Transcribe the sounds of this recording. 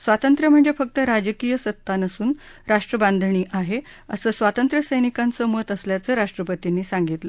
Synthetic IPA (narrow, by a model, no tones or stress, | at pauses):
sʋat̪ənt̪ɾəm̤əɳd͡zefək̚t̪əɾad͡ʑəkijəsət̪ːanəsuːnɾaʂʈɾəband̪ʱɳiːʔaɦe | ə̰səːsʋat̪ənt̪ɾəsəjnikant͡səːmət̪əsljat͡səːɾaʂʈɾəpət̪inːiːsaŋɡit̪lə